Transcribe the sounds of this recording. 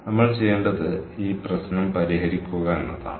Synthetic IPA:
nɐmːɐɭt͡ɕejːeːɳɖɐðɨiːprɐsnɐmpɐɾiɦɐɾikʲːuɣɐenːɐða̰ːɳɨ

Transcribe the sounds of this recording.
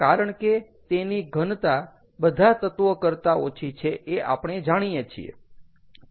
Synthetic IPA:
kaɾəɳke | t̪eniɡʱənt̪a | bəd̪ʱat̪ət̪ʋəkəɾt̪aot͡ʃʰit͡ʃʰeʔeʔa̰pɳ̃ed͡ʒaɽ̃ijet͡ʃʰḭḛ

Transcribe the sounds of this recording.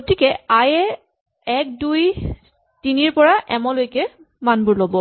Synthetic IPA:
ɡotikɛajɛ | ɛk̚duj | tiniɹpɔɹaʔɛmɔlojkɛ | manbuɹlobɔ

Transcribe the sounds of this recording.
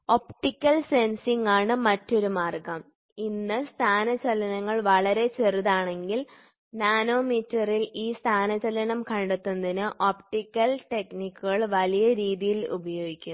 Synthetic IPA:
o̞pʈikʲːɐlse̞nsiŋɡaːɳɨmɐtːo̞ɾumaːrɡɐm | inːɨst̪ʰaːnɐt͡ɕɐlɐnɐŋːɐɭʋɐɭɐɾe̞t͡ɕeruðaːɳe̞ŋɡil | naːno̞ːmitːɐriliːst̪ʰaːnɐt͡ɕːɐlɐnɐmkɐɳɖet̪ːunːɐðinɨʔopʈikʲːɐlʈe̞knikʲːuɣɐɭʋɐlijɐɾiːðijilṵbɐjo̞ːɡikʲːu

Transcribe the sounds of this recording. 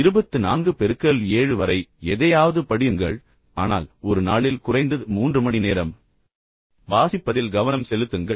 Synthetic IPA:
ɪɾɯbɐt̪ːɯna̰ːnɡɯpɛɾɯkːɐɭeːɻɯʋɐɾɐɪɛðɐjaːʋɐðɯpɐɽɪjɯŋɡɐ̰ɭ | aːna̰ːlɔɾɯna̰ːɭɪlkʊrɐɪnd̪ɐðɯmuːndrɯmɐɳineːɾɐm | baːsɪpːɐðɪlɡɐʋɐnɐmsɛlɯt̪ːɯŋɡɐ

